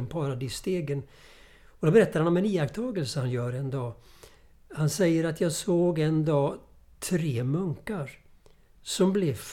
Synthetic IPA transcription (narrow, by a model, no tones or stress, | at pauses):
əmpʰɑɾad̪ist̪eːɡən | ɔd̪ɔbɛɾɛt̪ːaɾhanɔmɛniːakt̪ʰɑːɡəlsəhanjœːɾɛnd̪ɑː | hansɛjːəɾat̪ʰjɑːɡsoːɡɛnd̪ɑː | t̪ʰɾeːmɵŋkaɾ | sɔmblɛvf